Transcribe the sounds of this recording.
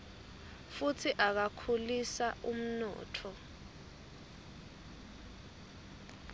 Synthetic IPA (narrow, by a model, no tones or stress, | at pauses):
futʰiʔak̬akʰulisaʔum̩nɔ̰ːtʰɔ